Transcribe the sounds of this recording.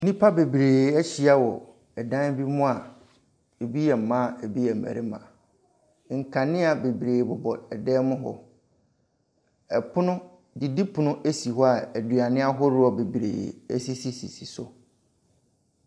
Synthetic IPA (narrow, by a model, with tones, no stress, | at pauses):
nĩ˦pʰa˦be˨bɾeː˨æ˦t͡ɕi˨a˦wɔ˨ | ɛ˨dã˦n˦bi˦mʊ̃˦a˨ | e˨bi˦jɛ˨m̩˨mã˦˨e˨bi˦ɛ˨m̩˨mæ̰˨ɾɪ˦mã̰˨ | ŋ̩˨kʰã˨nɪ̃˦a˨be˨bi˨ɾeː˨bʊ˨bɔ˨ɛ˨dɛː˦mʊ̃˦ɦɔ̰˦ | ɛ˨pʰʊ˦nʊ̃˦ | di˨di˦pʰʊ˨nʊ̃˦ʔe˦si˨ɦɔ˦a˨æ˨dɥa˨nɪ̃˦a˦ɦɔ˦ɾʊ˦ɔ˨be˨bɾḛː˨e˦si˦si˨si˨si˨sʊ˦